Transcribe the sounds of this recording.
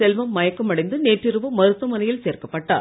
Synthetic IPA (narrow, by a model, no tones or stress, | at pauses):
sɛlʋɐmːɐjɐkːɐmɐɽɐɪnd̪ɯneːʈrɪɾɯʋɯmɐɾɯt̪ːɯmɐnɐjɪlseːrkɐpːɐʈːa̰ː